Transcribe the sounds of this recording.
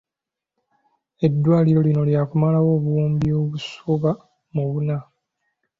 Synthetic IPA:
e̞dːwaːliɾo̞lino̞ljaːkumalawo̞ːβuwuːmbioːβusoβa | muβuna

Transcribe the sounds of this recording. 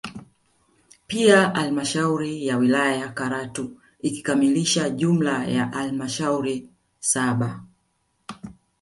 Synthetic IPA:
piaʔalmaʃauɾijawilajajakaɾatu | iki̥kamiliʃaʄum̩lajaʔalmaʃauɾi | saɓa

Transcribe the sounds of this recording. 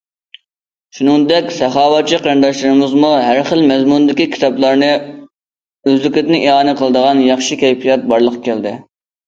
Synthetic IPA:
ʃunɨŋd̪ɛkʲsɛχɑːwɑt͡ʃʰiqʰəɾnd̪ɑʃlɨɾmɪzmuɦæɾχəlmɛzmund̪ɪkʲikʲʰi̥t̪ʰɑblˠɑɾnɨ | øzlykʲlɪt̪ʲɪnɪʔiɦɑːnɨqʰəlˠəd̪əʁɑnjɑχʃikʲʰɛjpijɑt̪̚bɑɾlˠəqɑ̥kʲæld̪ɪ

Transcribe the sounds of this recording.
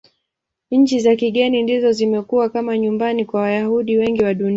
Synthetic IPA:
ɲ̩t͡ʃizakiɠɛnindizɔzimɛkuwakamaɲumbanikwawajahuɗiwɛŋɡiwaɗuni

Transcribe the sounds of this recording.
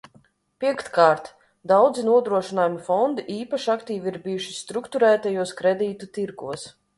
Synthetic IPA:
pʲiɛkt̪kaːɾt̪ | d̪awd̪zinuɔd̪ɾuɔʃinaːjumifɔnd̪iʔiːpaʃakt̪iːviiɾbijuʃist̪ɾukt̪uɾæːt̪ajuɔskɾɛd̪ʲiːt̪ut̪iɾɡuɔs

